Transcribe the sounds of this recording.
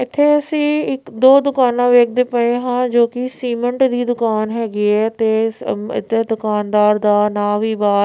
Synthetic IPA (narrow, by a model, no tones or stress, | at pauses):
ɪt̪ʰːeəsĩːɪkd̪oːd̪ʊkaːnãːʋeːk̚ʰd̪eːpəẽːɦãːd͡ʒoːkɪsiːməɳʈd̪iːd̪ʊkaːnɦɛːɡiɛːt̪eːɪ̰t̪ʰːed̪ʊkaːnd̪aːɾd̪aːnaːʋiːbaː